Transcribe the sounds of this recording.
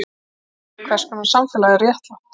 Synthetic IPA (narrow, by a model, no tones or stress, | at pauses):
kʰvɛɾ̥skʏmansamfɛːlaðɪrjɛht̪la